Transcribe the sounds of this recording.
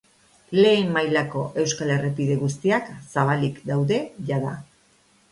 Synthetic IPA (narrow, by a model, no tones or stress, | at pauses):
le̞ːmːajlako̞ʔe̞wskale̞repiðe̞ɣust̪iaksaβ̞alikd̪awðe̞ʝaða